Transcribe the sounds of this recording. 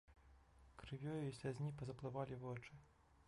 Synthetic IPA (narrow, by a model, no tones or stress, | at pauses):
kɾɨvʲjɔjuisʲlʲazʲnʲipɐzɐplˠɨvalʲivɔt͡ʂɨ